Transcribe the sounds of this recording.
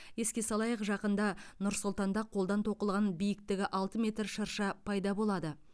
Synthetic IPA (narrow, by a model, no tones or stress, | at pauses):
je̞skʲe̞sɑlˠɑjəqʒɑqənd̪ɑnʊɾsʊlˠt̪ɑnd̪ɑqʰolˠd̪ɑnt̪ʰo̞qəlˠʁɑnbijɪkt̪ɪɡʲɪʔɑlˠt̪əmʲe̞t̪ɾʃəɾʃɑpʰɑjd̪ɑbo̞lˠɑd̪ə